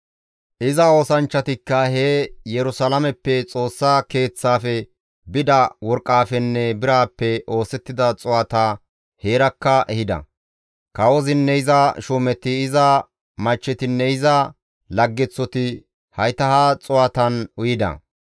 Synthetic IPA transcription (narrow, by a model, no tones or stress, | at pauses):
ʔɪzɐo̞ːsɐnt͡ʃːɐt̪ɪkːɐheːjɛɾʊsɐlɐmɛpːɛt͡sʼo̞ːsːake̞ːt͡sːaːfɛ | bɪd̪ɐwɔɾkʼːaːfɛnːɛbɪɾaːpːɛʔo̞ːsɛt̪ːɪd̪ɐt͡sʼʊwɐt̪a | heːɾɐkːɐʔɛhɪd̪ɐ̰ | kɐwɔzɪnːɛɪzɐʃuːmɛt̪ːɪɪzɐ | mɐt͡ʃːɛt̪ɪnːɛɪzɐ | lɐɡːɛt͡sːɔt̪ɪ | hɐjt̪ɐhɐt͡sʼʊɐt̪ɐnʊjɪd̪ɐ̰